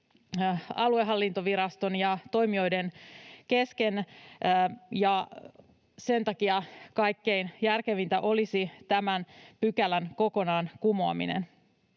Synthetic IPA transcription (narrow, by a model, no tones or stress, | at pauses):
ɑlueɦɑlːint̪o̞ʋiɾɑst̪o̞njɑt̪o̞jmio̞jdenkeskenː | jɑ | se̞nt̪ɑkiɑkɑjkːe̞injærkeʋint̪æʔo̞lisit̪æmænpykælænko̞ko̞nɑːnkumo̞ɑ̰mḭnḛn